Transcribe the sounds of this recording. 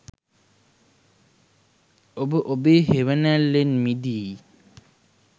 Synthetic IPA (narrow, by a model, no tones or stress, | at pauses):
obəʔobeːɦewənɛlːenmid̪iː